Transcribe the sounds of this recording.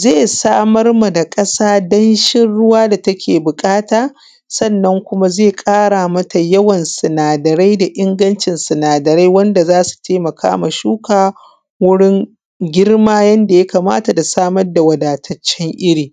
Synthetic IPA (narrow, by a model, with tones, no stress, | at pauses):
zeː˦˨saː˦mɐ˦rma˨da˨kʼɐ˦saː˦dɐ˦nʃɪ˦nɽʊ˦waː˦da˨tɐ˦kʲeː˨bʊ˨kʼaː˦taː˨ | sɐ˦˨nːɐ˦ŋkʷʊ˦ma˦zeː˦˨kʼaː˦ɽaː˨mɐ˦ta˨jɐ˦wɐ˨nsɪ˨naː˨dɐ˨ɾa˦jda˨ʔɪ˦ŋɡɐ˦nt͡ʃɪ˨nsɐ˨naː˨dɐ˨ɾa˦jwɐ˦nda˨zaː˦su̥˨tʰeː˦mɐ˨kʰa̰ː˦ma˨ʃuː˦kaː˨ | wʊ˦ɽɪ˦ŋ | ɡʲɪ˦rmaː˦jɐ˦nda˨ja˦kaː˨ma̰ː˦ta˨da˨saː˦mɐ˦rda˨wɐ˨daː˨tʰɐ˨t͡ʃːɛ˦ŋʔɪ˦ɾiː˨